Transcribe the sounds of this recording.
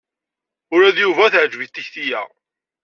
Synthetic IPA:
ʊɾæðjuvæθʕd͡ʒvit̪ːiçθijæ̰

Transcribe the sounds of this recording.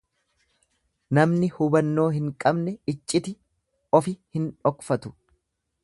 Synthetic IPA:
nɐmnɪhʊbɐnːo̞ːɦɪŋkʼɐbnɛɪt͡ʃʼːɪt̪ɪ | ɔfɪhɪnᶑɔkfɐt̪ʊ̥

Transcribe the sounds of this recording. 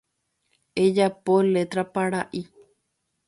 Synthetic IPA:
ed͡ʒapole̞t̪ɾapaɾaʔi

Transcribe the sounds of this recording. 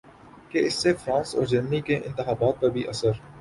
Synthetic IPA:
keɪsːefɾãːnsɔ̰ːɾd͡ʒɪmnikeʔɪ̰̃nt̪ɪxaːbaːt̪̚pɐɾbʱiʔɐsəɾ

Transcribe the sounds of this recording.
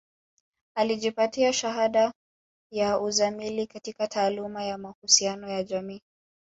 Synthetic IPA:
aliʄipatiaʃaɦaɗa | jauzamilikatikatʰaːlumajamahusianɔjaʄamiː

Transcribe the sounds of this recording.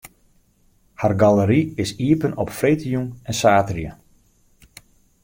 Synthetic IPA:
harɡaləɾiɪsiəpənɔpfrejtijunɛnsaːtrjə

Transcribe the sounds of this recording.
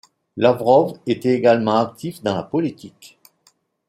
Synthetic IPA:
lavʁɔvet̪ɛeɡalmɑ̃ak̚t̪ifd̪ɑ̃lapɔlit̪ʰik

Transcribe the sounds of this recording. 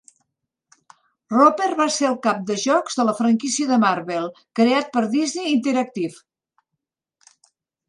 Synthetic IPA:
roperβaseəlˠkap̚d̪əʒɔkz̥ðələfɾəŋkisiəðəmaɾβelˠkɾeat̪̚pəɾðizneːnt̪eɾək̚t̪if

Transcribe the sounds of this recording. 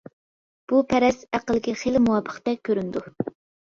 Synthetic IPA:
b̥upʰɛɾɛsæqəlˠɪkʲiχelɪmuwɑpʰə̥χt̪ɛkʲʰːøɾynd̪u

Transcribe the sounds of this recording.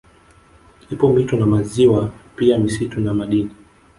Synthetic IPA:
lipɔmitɔnamaziwapiamisitunamaɗini

